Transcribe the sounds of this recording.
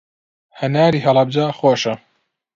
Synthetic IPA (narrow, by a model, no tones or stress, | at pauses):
hɐnaːɾiːɦɐlɑb̚d͡ʒaːxoːʃɐ